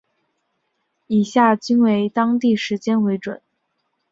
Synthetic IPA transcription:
i˨˩ɕja˥˩t͡ɕi˥nwe˧˥ɪt̪ɑ˥ŋt̪i˥˩ʂɻ̩˧˥t͡ɕjɛ˥nwe˧˥ɪʈ͡ʂwə̰˨˩˦n

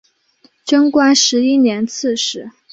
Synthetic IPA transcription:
ʈ͡ʂə˥ŋkwa˥nʂɻ̩˧˥i˥njɛ˧˥nt͡s̩ʰ˥˩ʂɻ̩˧˥

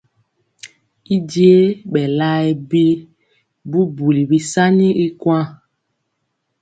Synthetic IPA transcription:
i˦d͡ʒi˦e˦ɓɛ˨la˦ɛ˨bi˦ | bu˦bu˨li˨bi˦sa˦nĩ˦i˦kwã˦

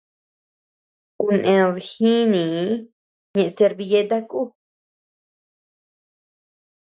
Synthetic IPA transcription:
ku˧nʔẽ˧ɾi˧hĩ˦nĩ˨˦ | ɲẽ˧ʔse˧ɾβi˧je˦t̪a˦ku˦˨

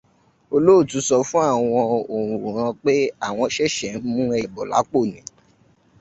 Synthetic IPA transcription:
o˧lo˦o˦˨tũ˨˦sɔ˧fũ˦a˦˨w̃ɔ̃˧o˨ɾũ˨ũ˨ɾ̃ã˧k͡pe˦a˦˨w̃ɔ̃˧ʃɛ˦˨ʃɛ˨˦mũ˦ɛ˧˨bɔ˨la̰˨˦k͡po˦˨nĩ˨˦

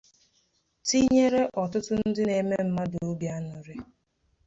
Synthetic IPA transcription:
ti˦ɲe˦ɾe˦ʔɔ˨tʊ˦tʊ˦n̩˦dɪ˦ne˨me˦m̩˦ma˦dʊ˨˦bja˦nʊ˨ɾe˦

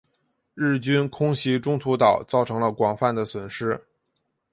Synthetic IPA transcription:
ɻɻ̩˥˩t͡ɕy˥nkʰʊ˥ŋɕi˧˥ʈ͡ʂʊ˥ŋt̪ʰu˧˥t̪ɑ˨˩ʊt͡sɑ˥˩ʊʈ͡ʂʰɤ˧˥ŋlə˧kwɑ˨˩ŋfa˥˩nd̪ə˩swə˨˩nʂɻ̩˥

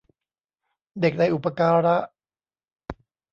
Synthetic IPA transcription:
de˨˩k̚da˧jʔu˨˩pːa˧kaː˧ɾa˦˥ʔ

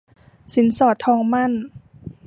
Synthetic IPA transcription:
si˨˦nsɔː˧˩t̪ʰːɔː˧ŋma˥˨n

